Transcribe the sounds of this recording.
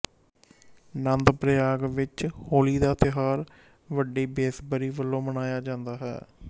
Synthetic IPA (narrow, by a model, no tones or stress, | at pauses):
nənd̪pɾəjaːɡʋɪt͡ʃhoːliːd̪aːt̪ɪɦaːɾ | ʋəɖeːbeːsbəɾiːʋəlːõːmənaːjaːd͡ʒãːnd̪aːɦɛ̰ː